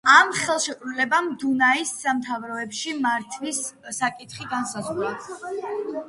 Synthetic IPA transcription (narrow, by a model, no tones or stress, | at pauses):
amχɛlˠʃɛkʼɾulɛbamd̪unaisːamt̪ʰavɾɔɛpʃimaɾt̪ʰvisːakʼit̪ʰχiɡansazʁɾa